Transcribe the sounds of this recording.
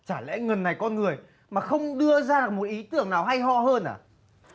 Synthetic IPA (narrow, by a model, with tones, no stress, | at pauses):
t͡ɕaː˧˩lɛ̰˧˥ŋə˨˩nːa˨˩jkɔ˧nŋɨ˨˩əj | maː˨˩xə˧wŋ͡mɗɨ˧əzaː˧ɗɨ˨˩k̚mo˨˩t̚ʔi˨˦t̪ɨ˦˧˩əŋnaː˨˩wɦa˧jɦɔ̰˧˨həː˧nʔa̰ː˧˩